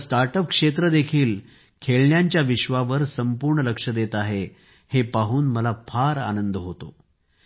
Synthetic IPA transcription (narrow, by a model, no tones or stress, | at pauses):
staɾʈəp̚kʂet̪ɾəd̪ekʰiːl | kʰeɭɳjaɲt͡ɕjaʋiɕʋaʋəɾsəmpuɾɳələkʂəd̪et̪aɦe | hepaɦuːnməlafʰaɾa̰nənd̪ɦot̪o̰